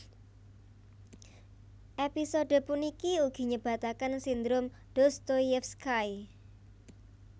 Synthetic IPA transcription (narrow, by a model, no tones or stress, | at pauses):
ʔepisoɖ̥ə̤punikiuɡ̥i̤ɲəb̥ä̤t̪akansind̪ɾʊm | d̥ost̪ojɛfskaj